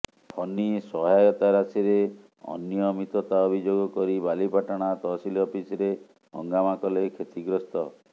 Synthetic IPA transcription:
pʰɔnːisɔɦajɔt̪aɾasiɾe | ɔ̰njɔmit̪ɔt̪aɔbʱid͡ʒoɡɔkɔɾibalipaʈaɽ̃at̪ɔsilɔpisɾe | ɦɔ̰ŋɡamakɔlekʰet̪iɡɾɔst̪ɔ

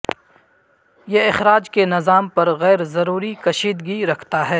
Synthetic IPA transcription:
jeɪxɾaːd͡ʒkenɪzaːmpɐɾɣɛːɾzɐɾuːɾikɐʃiːd̪ɡiɾɐkʰt̪aɦɛː

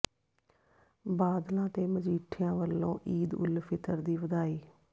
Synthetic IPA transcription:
baːd̪lãːt̪eːməd͡ʒiːʈʰjãːʋəlːõːʔiːd̪ʊ̰lpʰɪt̪əɾd̪iːʋəd̪aːiː

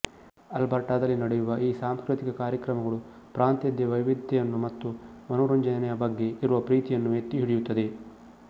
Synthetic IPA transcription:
ɐlbɐɾʈaːd̪ɐlːinɐɽejuʋɐʔiːsaːmskɾit̪ikɐkaːɾjɐkɾɐmɐɡɐɭu | pɾʔaːnt̪jɐd̪jɐʋɐjʋid̪ʱɛjɐnːumɐt̪ːumɐnɔːɾɐɲd͡ʒɐjɐnɛjɐbɐɡːe̞iɾuʋɐpɾiːt̪ijɐnːuʋet̪ːiɦiɽijut̪ːɐd̪e̞

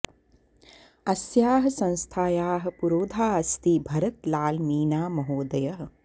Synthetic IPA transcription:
ɐsjaːɦɐ̆sɐ̃nst̪ʰaːjaːɦɐ̆puɾoːd̪ʱaːɐst̪ibʱɐɾɐt̪laːlmiːnaːmɐɦoːd̪ɐjɐɦɐ̆

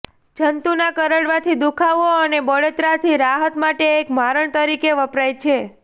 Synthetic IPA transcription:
d͡ʒənt̪unakəɾəɽʋat̪ʰid̪ukʰaʋoənebəɭet̪ɾat̪ʰiɾaɦət̪maʈeːkmaɾəɳt̪əɾikeʋəpɾajt͡ʃʰe

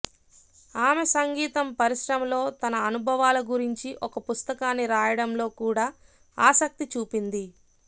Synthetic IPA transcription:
aːmesɐŋɡiːt̪ɐmpɐɾiʃɾɐmlo̞ːt̪ɐnɐːnubʱɐʋaːlɐɡuɾiɲt͡ʃiʔɔkɐpust̪ɐkaːnːiɾaːjɐɽɐmlo̞ːkuːɽaː | aːsɐk̚t̪it͡ʃuːpind̪i

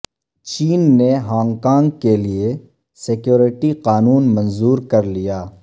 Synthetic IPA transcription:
t͡ʃiːnːeɦãːŋkãːŋɡkelie | sekjoːɾɪʈiqaːnuːnmɐ̃nzuːɾkɐɾlijaː

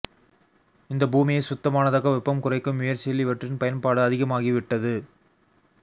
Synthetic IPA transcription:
ɪnd̪ɐbuːmɪjɐsʊt̪ːɐmaːnɐðɐɣɐʋɪpːɐmkʊrɐɪkːɯmːʊjɐɾt͡ʃɛlːiʋɐʈrɪnpɐjɐnpaːɽɯɐðɪɣɐmaːɣiʋɪʈːɐðɯ

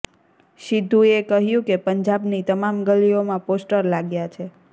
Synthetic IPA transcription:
ʃid̪ʱːũekəɦjũkepəɲd͡ʒabnit̪əmamɡəliomãposʈəɾlaɡjat͡ʃʰe

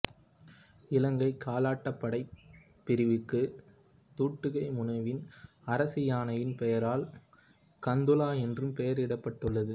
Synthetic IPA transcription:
ɪlɐŋɡɐɪkʰːaːlaːʈːɐpːɐɽɐɪ | pːɪɾɪʋɯkːɯ | t̪uːʈːɯɣɐɪmʊnɐʋɪn | ɐɾɐsɪjaːnɐjɪnpɛjɐɾaːl | kɐnd̪ɯlaːɛndrɯmpɛjɐɾɪɽɐpːɐʈːɯɭːɐðɯ

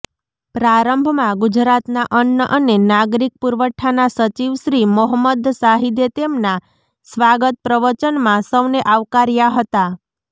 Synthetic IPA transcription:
pɾaɾəmbʱmãɡud͡ʒɾat̪naʔənjəʔənenaɡɾik̚puɾʋəʈʰːanasət͡ʃiʋʃɾimoɦəmːəd̪saɦid̪et̪emna | sʋaɡət̪̚pɾəʋət͡ʃənmãsəʋneʔaʋkaɾjaɦət̪a

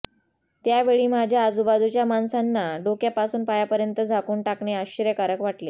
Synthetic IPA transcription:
t̪jaʋeɭiːmad͡ʑʱjaːd͡zubad̪ut͡ɕjamansanːaɖokjapasuːnpajapəɾjənt̪əd͡zʱakuːɳʈakɳeaɕəɾjəkaɾəkʋaʈle

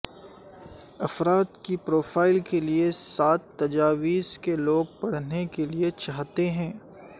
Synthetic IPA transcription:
ɐfɾaːt̪kipɾoːfaːɪlkeliesaːt̪ːɐd͡ʒaːʋiːskeloːɡ̚pɐɽ̤nekeliet͡ʃaːɦt̪eɦɛ̃ː

